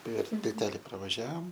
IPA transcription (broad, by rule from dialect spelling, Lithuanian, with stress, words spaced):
pʲɛr tʲɪlʲˈtʲæːlʲɪ prɐʋɐˈʒʲæːʋoːm